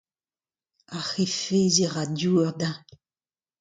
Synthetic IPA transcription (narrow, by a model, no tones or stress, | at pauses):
axefeziʁadjuːɛʁda